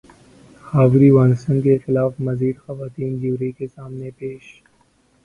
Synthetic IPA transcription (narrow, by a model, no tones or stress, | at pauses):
xaːwɾiwaːnsəŋkexɪlaːfmɐziːɖ̪xɐʋaːt̪iːnd͡ʒiwɾekesaːmnepeːʃ